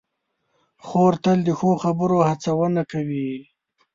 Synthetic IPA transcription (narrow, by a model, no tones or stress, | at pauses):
xoɾt̪əld̪əxoxabəɾohat͡sawənakawi